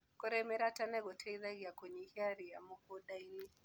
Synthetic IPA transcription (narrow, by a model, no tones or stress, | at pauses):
kɔɾɛmɛɾatanɛɣɔtʰɛiðaɣiakwɛɲihiaɾija̰mɔkɔɗaini